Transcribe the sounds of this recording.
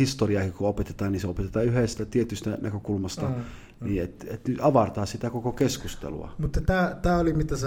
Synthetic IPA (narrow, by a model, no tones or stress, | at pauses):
hist̪oriɑːkikuopet̪et̪ɑːniseopet̪et̪ɑːyhest̪æt̪iet̪yst̪ænækøkulmɑst̪ɑ | niːet̪et̪nyt̪ɑʋɑrt̪ɑːssit̪ækokokeskust̪ḛlṵɑ̰mut̪ːɑt̪æːt̪æːolimit̪æse